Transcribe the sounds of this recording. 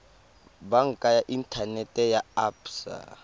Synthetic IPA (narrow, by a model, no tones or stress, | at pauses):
baŋ̩kʼajaʔintʼʰanɛtʼɛjaapsa̰